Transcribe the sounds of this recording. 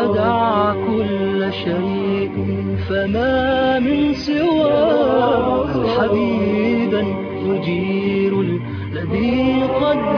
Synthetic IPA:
d̪aʕkʊlːʃajʔ | famaːmɪnsɪwaː | ħabiːban | mʊd͡ʒiːɾa | lːaðiːqɑd̪ː

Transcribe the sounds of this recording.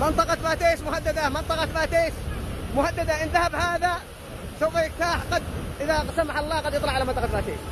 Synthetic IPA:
mɪnt̪ˤɑqɑfaːt̪eːʃmʊhad̪ːad̪amɪnt̪ˤɑqɑfaːt̪eːʃmʊhad̪ːad̪aʔɪnðahabhaːða | sawfajɪkt̪aːħqɑd̪ʔɪðasamaħɑlˤːɑːqɑd̪jɨt̪ˤlɑʕalamɑnt̪ˤɑqɑbaːt̪ḛːʃ

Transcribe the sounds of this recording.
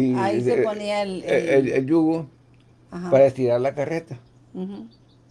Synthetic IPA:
ioniaeeeljuɣo | apaɾaest̪iɾaɾlakaret̪a

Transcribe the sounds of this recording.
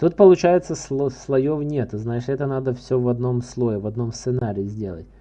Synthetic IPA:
t̪ut̪̚pəlˠʊt͡ɕæjɪt̪səsoslˠɐjovnʲe̞t̪ɨznajɪʂɛt̪ənad̪əfsʲɵvɐd̪no̞mslˠo̞jɪvɐd̪no̞mst̪sɨnaɾʲɪɪzʲdʲe̞lˠə̰t̚ʲ

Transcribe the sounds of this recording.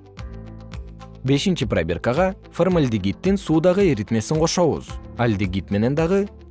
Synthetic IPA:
be̞sɪnʃɪpra̰bʲerkɑʁɑ | ferməlʲd̪iɡʲit̪ːɪnsud̪ɑʁəeɾit̪me̞sɪɴqʰoʃɑwə̰zælʲd̪iɡʲit̪me̞ne̞nd̪ɑʁə

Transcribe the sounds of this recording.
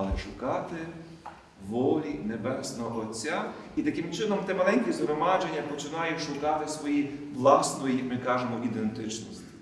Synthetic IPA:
lˠɪʃʊkɑt̪ɪ | ʋɔlʲinebɛsnɔɔʔɔt͡sʲːa | it̪ɐkɪmt͡ʃɪnɔmt̪ɛmɐlˠɛnʲkʲizɦɾɔmɑd͡ʒenʲːɐpɔt͡ʃɪnɑjʊʃʊkɑt̪ɪsʋɔjiʋlˠɑsnɔjijɐkmɪkɑʒemɔʔid̪ent̪ɪt͡ʃnɔsʲ

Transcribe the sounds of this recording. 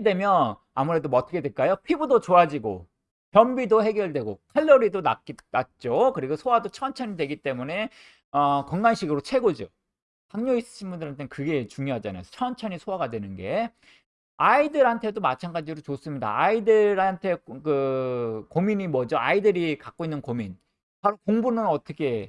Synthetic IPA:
edwe̞mjʌn | amuɾe̞domʌtʰɯkʰedweɭk͈ajopʰibudot͡ɕoad͡ʑiɡo̰ | kjʌmbidohe̞ɡjʌɭdwe̞ɡokʰaʎːoɾidonainat̚t͡ɕ͈okɯɾiɡosʰowadot͡ɕʰʌnt͡ɕʰʌɲidwe̞ɡit͈e̞mune̞ | ʌkʌŋɡanɕʰiɡɯɾot͡ɕʰe̞ɡod͡ʑo | kaŋɲois͈ɯ̥ɕʰinbundɯɾɦantʰekɯɡe̞t͡ɕuŋjoɦad͡ʑana̰jo̰t͡ɕʰʌnt͡ɕʰʌɲisʰoaɡadwe̞nɯnɡe̞ | aidɯɾɦantʰe̞domat͡ɕʰanɡad͡ʑiɾot͡ɕos͈ɯmɲida̰aidɯɾɦantʰe̞kɯ | komiɲimʌd͡ʑʌaidɯɾikak͈oinːɯnkomin | paɾokoŋbunɯnʌt͈ʌkʰe̞

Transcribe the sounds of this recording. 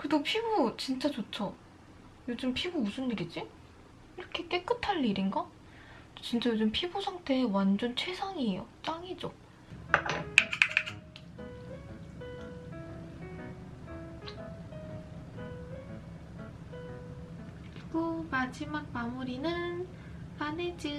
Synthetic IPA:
kɯedopʰibut͡ɕint͡ɕ͈at͡ɕot͡ɕʰʌ | jod͡ʑɯmpʰibumusʰɯndɯɾid͡ʑi | iɾʌkʰe̞k͈e̞k͈ɯtʰaɭːiɾinɡa | t͡ɕint͡ɕ͈ajod͡ʑɯmpʰibusʰaŋtʰe̞ːwand͡ʑont͡ɕʰwe̞sʰaŋiejot͡ɕ͈aŋid͡ʑo̰ | ɡumad͡ʑimak̚mamuɾinɯn | aned͡ʑi

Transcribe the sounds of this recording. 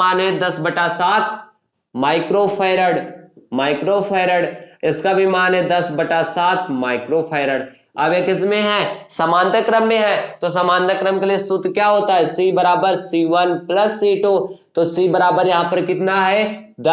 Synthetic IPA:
aːnɦɛ̃d̪ɐsbɐʈasaːt̪̚ʰ | maːɪkɾopʰaːɪɾəɽmaːɪkɾoːpʰaːɪɾəɽɪskabʱimaːnɦɛ̃d̪ɐsbɐʈasaːt̪ʰmaːɪkɾopʰaːɪɾəɽ | ɐbekɪs̬mẽɦɛsəmãːnd̪əkɾəmːẽɦɛːt̪os̬ɐmaːnd̪əkɾəmkeliesʊt̪kjaːɦoːt̪aɦɛsiːbɐɾaːbəɾsiːʋənpləsːiːʈoːt̪osiːbɐɾaːbəɾjɐɦãːpɐɾkɪt̪naɦɛd̪ɐ

